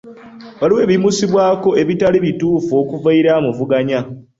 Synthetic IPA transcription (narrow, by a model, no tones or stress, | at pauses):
βaliwe̞ːβimusiβwaːko̞e̞βitaliβituːfo̞ːkuvaiɾaːmuvuɡaɲa